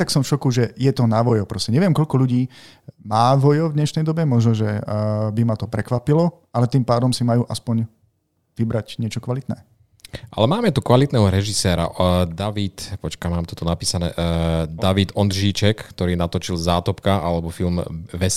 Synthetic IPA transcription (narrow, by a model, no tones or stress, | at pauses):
t̪aksɔmfʃɔkuʒɛjɛt̪ɔnaʋɔjɔpɾɔscɛɲɛʋɪɛmkɔʎlkɔʎuɟiː | maːʋɔjɔvd̪ɲɛʃnɛjd̪ɔbɛmɔʒnɔʒɛbimat̪ɔpɾɛkʋapilɔ | alɛt̪iːmpaːd̪ɔmsimajuːʔaspɔɲ | ʋibɾaɟɲɪɛt͡ʃɔkʋalit̪nɛ̰ː | ʔa̰lɛmaːmɛt̪ukʋalit̪nɛːɦɔɾɛʒisɛːɾa̰d̪aʋit̪pɔt͡ʃkamaːmt̪ɔ̥t̪ɔnapiːsanɛ̰ːd̪aʋit̪ɔnd̪ʒiːt͡ʃɛkkt̪ɔɾiːnat̪ɔt͡ʃilzaːt̪ɔpkaʔalɛbɔfilmʋɛs